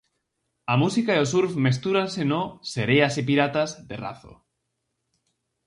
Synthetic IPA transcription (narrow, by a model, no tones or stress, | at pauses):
amusikaeosuɾfmest̪uɾansenoseɾeasip̬iɾat̪azðera̰θo̰